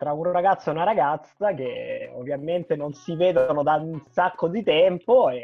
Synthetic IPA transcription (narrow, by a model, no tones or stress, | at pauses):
t̪ɾaunraɡat̪sːoɛunaɾaɡat̪sakeo̰vːjament̪enonsiveːd̪oonod̪ansakːod̪it̪ɛmpoe